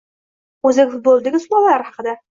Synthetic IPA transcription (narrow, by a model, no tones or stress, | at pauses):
ɵzɪkʲfʊt̪̚bolˠd̪ɪɡʲɪsʊlˠalaɾɪhɑqɨd̪a